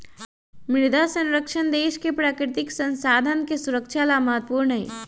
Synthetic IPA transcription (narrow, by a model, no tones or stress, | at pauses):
mɪɾd̪ʱasə̃nɾəkʃənd̪eːʃkepɾaːkɾɪt̪ɪksə̃nsaːd̪ʱənkesuɾəkʃalaməɦət̪ːpuːɾɳəɦɛ̰